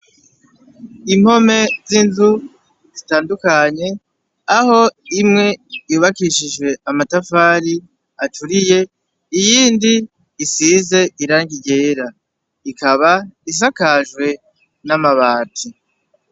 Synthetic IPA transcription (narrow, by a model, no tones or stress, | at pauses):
im̥ho̞me̞zinzu | zitaːndukaɲe̞ | aɦo̞imŋe̞juːβakiʃiʒwe̞amatafaːɾi | atuɾije̞ | ijiːndiː | size̞iɾaːŋɡiɟe̞ːɾa | ikaβais̬akaʒwe̞ | namaβaːtʰi